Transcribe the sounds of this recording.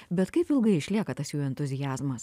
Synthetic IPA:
bʲɛt̪kɐɪpɪlˠɡɐɪɪʃʲlʲiɛkɐt̪ɐsjuːɛnt̪ʊzʲɪjæːzmɐs

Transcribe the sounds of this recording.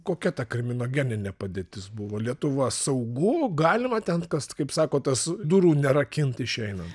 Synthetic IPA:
koːkʲɛt̪ɐkɾʲɪmʲɪnoːɡʲɛnʲɪnʲɛpɐd̪ʲeːt̪ʲɪsbʊʋɐːlʲiɛt̪ʊʋɐsɐʊɡʊɡɑːlʲɪmɐt̪ʲɛnkɐskɐɪpsɑːkoːt̪ɐsd̪uɾuːnʲɛɾɐkʲɪnt̪ɪʃʲɛɪnɐnt̪

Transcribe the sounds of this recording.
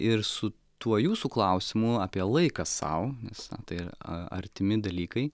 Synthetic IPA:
ɪrsʊ | t̪uɔjuːsuːklˠɐʊsʲɪmʊɑːpʲiɛlˠɐɪkɐsɐ̰ʊnʲɛsɐ̰t̪ɐɪɪɾɐ̰ɾʲt̪ʲɪmʲɪd̪ɐlʲiːkɐɪ

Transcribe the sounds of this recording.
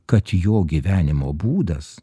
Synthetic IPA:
kɐt̪joːɡʲiʋʲæːnʲɪmoːbuːd̪ɐs

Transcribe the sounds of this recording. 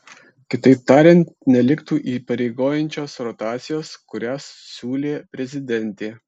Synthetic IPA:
kʲɪt̪ɐɪp̚t̪ɑːɾʲɛnʲt̪nʲɛlʲɪkt̪uːʔiːpɐɾʲeɪɡoːjɛnʲt͡ʃʲoːsɾɔt̪ɑːt̪sʲɪjoːskʊɾʲæːssʲuːlʲeːpʲɾʲɛzʲɪd̪ʲɛnʲt̪ʲeː

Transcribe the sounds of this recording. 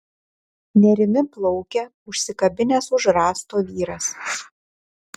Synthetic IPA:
nʲɛɾʲɪmʲɪplˠɔʊkʲɛ | ʊʃʲsʲɪkɐbʲɪnʲɛsʊʒɾɑːst̪oːʋʲiːɾɐs

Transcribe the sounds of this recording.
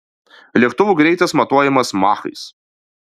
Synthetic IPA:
lʲɛkt̪ʊʋuːɡɾʲɛɪt̪ɐsmɐt̪uɔjɛmɐsmɑːxɐ̰ɪs

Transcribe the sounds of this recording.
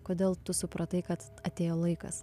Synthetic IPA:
koːd̪ʲeːlˠt̪ʊsʊpɾɐt̪ɐɪkɐt̪ | ɐt̪ʲeːjoːlˠɐɪkɐ̰s

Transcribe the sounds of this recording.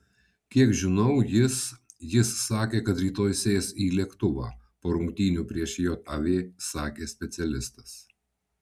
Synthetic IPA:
kʲiɛkʒʲɪnɐʊjɪsjɪsːɑːkʲeːkɐt̪ɾʲiːt̪oːjsʲeːjɛsiːlʲiɛkt̪ʊʋɑ̰ːpoːɾʊŋkt̪ʲiːnʲuːpʲɾʲiɛʃjoːt̪ɐʋʲeːsɑːkʲeːsʲpʲɛt̪sʲɛlʲɪst̪ɐs

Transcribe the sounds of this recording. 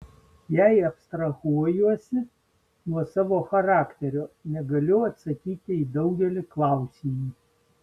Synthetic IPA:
jɛɪɐpst̪ɾɐɣuɔjuɔsʲɪ | nuɔsɑːʋoːxɐɾɑːkt̪ʲɛɾʲoːnʲɛɡɐlʲʊɐt̪sɐkʲiːt̪ʲɪiːd̪ɐʊɡʲɛlʲɪklˠɑˑʊsʲiːmi

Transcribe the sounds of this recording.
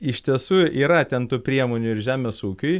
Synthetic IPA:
ɪʃʲt̪ʲiɛsuːiːɾɐt̪ʲɛnt̪uːpʲɾʲiɛmoːnʲʊɪɾʒʲæːmʲeːsuːkʲʊj

